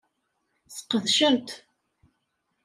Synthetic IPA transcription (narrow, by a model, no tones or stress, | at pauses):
sə̥qːəðʃəmt̪